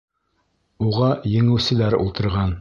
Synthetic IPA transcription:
uʁɑjɘ̆ŋɘ̆wsɘ̆læɾṵlˠt̪ɤ̆ɾʁɑn

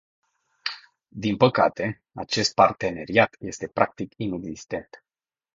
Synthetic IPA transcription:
d̪inpəkat̪e̞ | at͡ʃe̞st̪̚part̪e̞ne̞ɾiat̪je̞st̪e̞pɾak̚t̪ikine̞ɡzist̪e̞nt̪

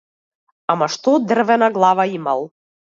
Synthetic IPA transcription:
amaʃt̪od̪ərvɛnaɡlˠɑvaimalˠ

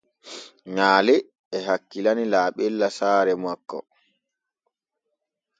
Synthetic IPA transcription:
ɲaːlɛ | ɛɦakːilanilaːɓɛlːasaːɾɛmakːɔ̰

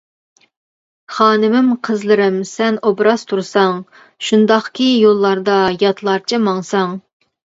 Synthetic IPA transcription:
χɑːnɨmɪmqʰəzlˠɨɾɪmsɛnobɾɑst̪ʰuɾsɑŋ | ʃund̪ɑχkʲijolˠːɑɾd̪ɑjɑt̪ʰlˠɑɾt͡ʃʰɪmɑŋsɑŋ

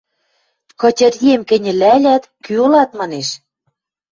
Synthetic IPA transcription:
kɤ̆t͡ɕʲɤ̆rjemkɘ̆nʲɘ̆lælʲæt̪kyolɑt̪mɑneʃ

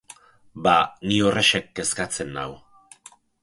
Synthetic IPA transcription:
baniore̞ʃek̚ːe̞skat͡se̞nːa̰w

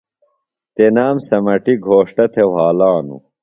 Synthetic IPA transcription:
t̪enaːmsɐmɐʈiɡʱoːʂʈɐt̪ʰewɦaːlaːnṵ

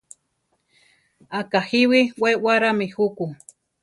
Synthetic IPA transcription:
akahiwiwewaɾamihuku

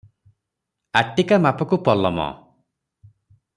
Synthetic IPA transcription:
aʈikamapɔkupɔlɔ̰mɔ̰

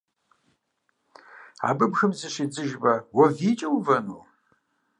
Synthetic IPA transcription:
a̰ːbɨbxɨmzɨɕid͡zɨʒbɐwɐviːt͡ʃʼɐwvɐnuː

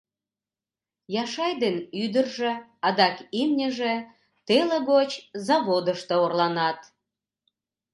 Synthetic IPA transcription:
jɑʃɑjd̪enyd̪ərʒĕɑd̪ɑkimnʲəʒĕ | t̪eleɣot͡ɕzɑβod̪əʃt̪oorlɑnɑt̪

